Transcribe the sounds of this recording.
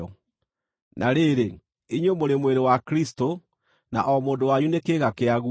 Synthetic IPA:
ɔ | nʔaɾeɾe | iɲwomoɾemweɾewakɾisto | na̰ʔɔmoːndowaɲunekeːɣakeaɣu

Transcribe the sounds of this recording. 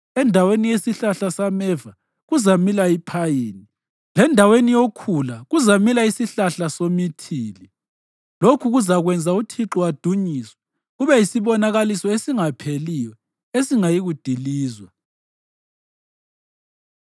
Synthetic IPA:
ɛndʱawenijesiɬaɬasamɛva | ɣuzamilaipʰajeːni | lɛndʱawenijokʰulaɣuzamilaisiɬaɬasomitʰiːli | lokʰuɣuzaɣwɛnd͡zʱautʰiǁɔwad̥ʱuɲiswḁ | ɣuβɛjisiβɔnaɣalisɔesiŋapʰelijɔ | esiŋajiɣud̥ʱiliːzwa

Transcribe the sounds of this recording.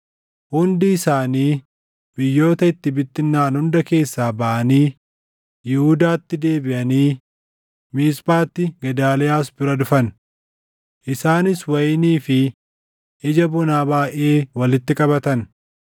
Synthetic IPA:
hʊnd̪ɪːsaːniː | bɪjːo̞ːt̪ɐɪt̪ːɪbɪt̪ːɪnːaːnhʊnd̪ɐke̞ːsːaːbɐʔɐniː | jɛhʊd̪aːt̪ːɪd̪e̞ːbɪʔɐniː | miːsbaːt̪ːɪɡɐd̪aːlɛjaːs̬bɪɾɐd̪ʊfɐn | ʔɪsaːnɪswɐjniːfɪ | ɪd͡ʒɐbʊnaːbaːʔe̞ːwɐlɪt̪ːɪkʼɐbɐt̪ɐn

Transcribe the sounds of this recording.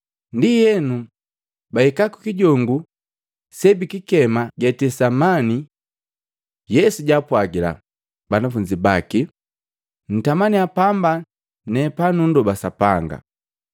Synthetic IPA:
ndijɛnu | baikaku̥kiɟɔŋɡu | sɛbikikɛmaɡɛtɛsamani | jɛsuɟapwaɡila̰ | banafuɲd͡ʒibaki | n̩tamaniapamba | nɛpanundɔbasapaŋɡa̰

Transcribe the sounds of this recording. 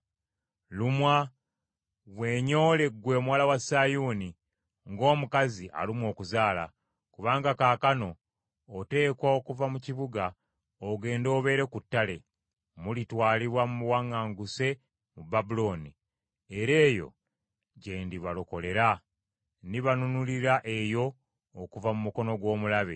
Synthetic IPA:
lumwa | βwe̞ːɲo̞ːle̞ɡwe̞ːmwaːlawasajuːni | ŋɡo̞ːmukaziʔa̰limwo̞ːkuzaːla̰ | kuβaːŋɡakaːkano̞ː | te̞ːkwaokuvamuciβuɡa | oɡe̞ːndo̞ːβe̞ːɾekutːale̞ | mulitwaːliβwamumuwaŋːaːŋɡuse̞ | mubabulo̞ːni | eɾe̞ːjo̞̰ | ɟe̞ːndiβalo̞ko̞le̞ɾa | niβanunuliɾaʔe̞jo̞ː | kuvamumuko̞no̞ɡwo̞ːmulaβḛ

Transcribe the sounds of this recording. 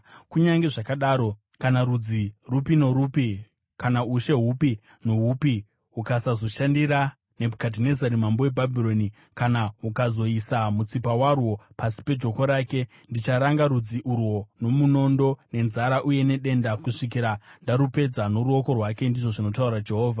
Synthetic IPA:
kuɲaŋɡe̞ʐakaɗaːɾo̞ | kanaɾud͡zirupinoɾupi | kanauʃe̞ɦupi | noɦupi | ɦukasazo̞ʃandiɾa | ne̞bʱukad̬ine̞zaɾimambo̞webʱabʱiro̞ni | kanaɦukazo̞isamut͡sipawarwo̞pasi̥pe̞d͡ʒo̞ko̞ɾaːke̞ | ndit͡ʃaɾaŋɡaɾud͡ziʔurwo̞no̞muno̞ndo̞ne̞nzaɾaʔuje̞ne̞ɗe̞ndakuʂikiɾandaɾupe̞d͡zano̞ɾuo̞ko̞rwake̞ndiʐo̞ʐino̞tauɾad͡ʒe̞ɦo̞ːvʱa

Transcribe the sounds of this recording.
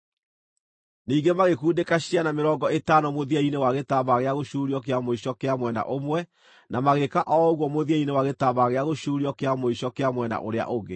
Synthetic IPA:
niːɡemaɣekuːndekaɕianameɾɔɡɔetanɔmoðiɛinewaɣetaβaɣeaɣoɕuːɾiɔkeamoiɕɔkeamwɛna̰ʔomwɛ | nʔamaɣekaʔɔoɣwɔmoðiɛinewaɣetaβaɣeaɣoʃuːɾiɔkeamoɕɔkeamwɛna̰ʔo̰ɾea̰ʔoɣe

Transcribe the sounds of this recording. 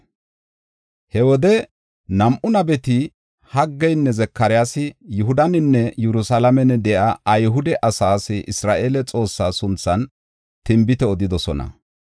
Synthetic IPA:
hɛwɔd̪ɛ | nɐmʔʊnɐbɛt̪ɪ | hɐɡːɛjnːɛzɛkːɐɾɪjasɪjʊɦʊd̪ɐnɪnːɛjɛɾʊsɐlɐmɛnɛd̪ɛʔɐʔɐjɦʊd̪ɛʔɐsaːsɪʔɪsɾaːʔeːlɛt͡sʼo̞ːsːaːsʊnt͡sːɐn | t̪ɪmbɪt̪ɛɔd̪ɪd̪ɔsɔnɐ̰

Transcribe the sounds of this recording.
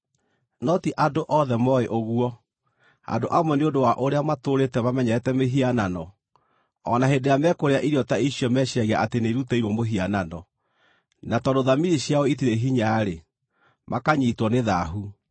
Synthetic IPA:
nɔtiʔadoʔɔðɛmɔeʔoɣuɔ | a̰doʔamwɛneondowaʔoɾeamatoɾetɛmamɛɲɛɾɛtɛmeɦiananɔ | ɔnaɦedeamɛkoɾeaʔiɾiɔtaiɕiɔmɛɕaɣeaʔateneiɾutɛiɾwɔmoɦiananɔ | natɔndoðamiɾiɕjaɔit̬iɾeɦiɲaɾe | mʔakaɲiːtwɔneðaɦu

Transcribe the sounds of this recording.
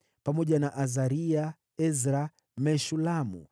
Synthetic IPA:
pamɔʄanaʔazaɾia | ɛzɾa | mɛʃulamṵ

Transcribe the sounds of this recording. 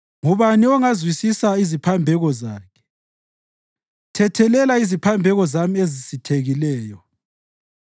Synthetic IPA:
ŋuβaniɔŋazwisisaizipʰambʱɛɣɔzaːkʰɛ̥ | tʰɛtʰɛlɛlaizipʰambʱɛɣɔzamiezisitʰeɣilɛːjɔ

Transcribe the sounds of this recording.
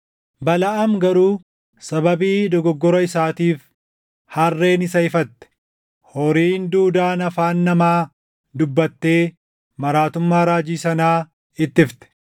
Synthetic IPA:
bɐlɐʔɐmɡɐɾuː | sɐbɐbiːd̪ɔɡɔɡːɔɾɔɪsaːt̪iːf | hɐrːe̞ːnɪsɐɪfɐt̪ːɛ̥ | hɔɾiːnd̪uːd̪aːnɐfaːnːɐmaː | d̪ʊbːɐt̪ːe̞ː | mɐɾaːt̪ʊmːaːɾaːd͡ʒiːsɐnaː | ɪt̪ːɪft̪ɛ̥

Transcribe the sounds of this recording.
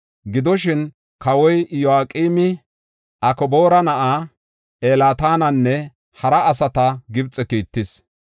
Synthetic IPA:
ɡɪd̪ɔʃɪn | kɐwɔjjɔaːkʼiːmɪ | ʔɐkɔboːɾɐnɐʔaː | ʔeːlaːt̪aːnɐnːɛ | hɐɾɐɐsɐt̪ɐɡɪbt͡sʼɛkiːt̪ːɪs

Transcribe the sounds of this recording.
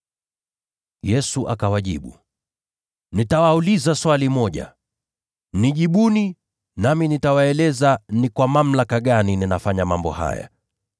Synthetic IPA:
jɛsuʔakawaʄḭɓṵ | nitawaulizaswalimɔʄa̰ | niʄiɓuni | naminitawaɛlɛzanikwamam̩lakaɠanininafaɲamambɔ̰ha̰ja̰

